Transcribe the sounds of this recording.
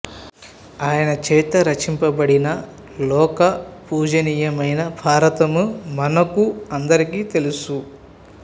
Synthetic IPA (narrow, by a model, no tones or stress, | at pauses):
aːjɐnɐt͡ʃɛːt̪ɐɾɐt͡ʃimpɐbɐɽinɐ | lɔːkɐpuːd͡ʒɐniːjɐmɐjnɐbʱaːɾɐt̪ɐmumɐnɐkuɐnd̪ɐɾikiːt̪e̞lusu